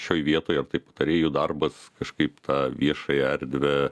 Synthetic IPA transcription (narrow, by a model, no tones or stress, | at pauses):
ʃʲoːjʋʲiɛt̪oːjɐrt̪ɐɪpɐt̪ɐɾʲeːjʊd̪ɐrbɐskɐʃkɐɪpt̪ɑːʋʲiɛʃɐjɛɛɾʲd̪ʲʋʲɛ